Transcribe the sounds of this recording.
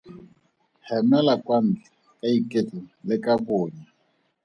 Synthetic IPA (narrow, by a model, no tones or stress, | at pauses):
hɛmɛlakʼwan̩d͡ɮi | kʼaikʼet͡ɬʼulɪkʼakʊːɲa